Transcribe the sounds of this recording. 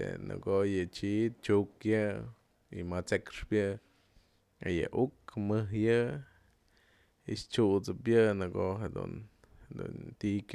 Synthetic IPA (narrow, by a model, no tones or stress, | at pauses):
ḛnɨ̰ɡojɨt͡ʃit̪̚t͡ʃukjɨ | imat͡sekʂpjɨ | ejɨ̰ʔukmɨɦjɨ | ist͡ʃut͡sɨpjɨnɨɡoɦed̪ṵn | hed̪ṵnt̪ʲik